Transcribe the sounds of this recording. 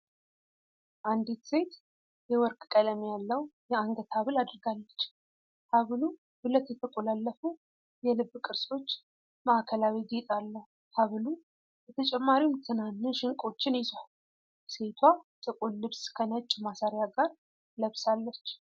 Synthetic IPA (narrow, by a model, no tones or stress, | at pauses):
ʔand̪it̪se̞t̪ | jɛwɔɾkʼkʼələmijalːəwjɛaŋɡət̪ʰaβɨlad̪ɨɾɡalːət͡ʃː | haβlu | bɨlət̪jɛt̪ʰəkʼolalːəfu | jɛlɨbːkʼɨɾso̞t͡ʃː | maʔkʰəlawiɡet̪ʼalːəhu | haβlu | bɛt̪ʰət͡ʃʼɛmːaɾiwmt̪ʰɨnanːɨʃɪŋkʼo̞t͡ʃːɪnizwal | se̞t̪ʰwasʼɨkʼunlɨβskʰənət͡ʃʼːmasaɾjaɡaɾ | ləβsalːət͡ʃː